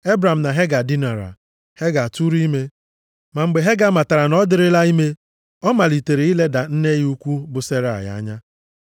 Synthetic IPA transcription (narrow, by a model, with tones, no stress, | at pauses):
e˦bɾa˨m̩˨na˨ɦe˦ɡa˨di˦na˨ɾa̰˨ | he˦ɡa˨a˨tu˦ɾi˦me˦ | ma˨ŋ͡m̩˨ɡ͡be˨ɦe˦ɡa˦ma˨ta˨ɾa˨nɔ˦dɪ˦ɾɪ˦la˦i˦me˦ | ɔ˦ma˨li˨te˨ɾe˨i˦le˦da˨n̩˦ne˦ju˦kʷu˦bʊ˨se˦ɾa˨a̰˨ja̰˨˦ɲa˦